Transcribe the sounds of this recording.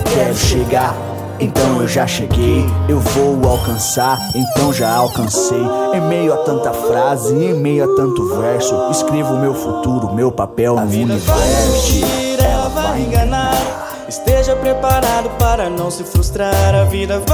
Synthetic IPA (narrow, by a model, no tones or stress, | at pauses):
kɛɾʊʃeɡaɾ | ẽnt̪ɐ̃w̃ewʒaʃeɡejewvowawkɐ̃saɾẽnt̪ɐ̃w̃ʒaawkɐ̃sejẽmejʊat̪ɐ̃nt̪ɐfɾazɪẽmejʊat̪ɐ̃nt̪ʊvɛɾsʊɪskɾevʊʊmewfut̪uɾʊmewpapɛw̃ũnivɛiiɾɛlɐvajẽɡɐ̃naɾ | ɪst̪eʒɐpɾepaɾad̪ʊpaɾɐnɐ̃w̃sɪfɾust̪ɾaɾɐvid̪ɐ